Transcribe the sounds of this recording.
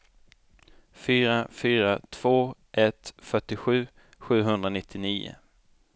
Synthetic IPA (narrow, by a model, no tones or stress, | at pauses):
fyːɾafyːɾat̪ʰv̥oːʔɛt̪fœʈːɪɧʉ̟ː | ɧʉ̟ːɦɵnd̪ɾanɪt̪ʰːɪniːʊ̰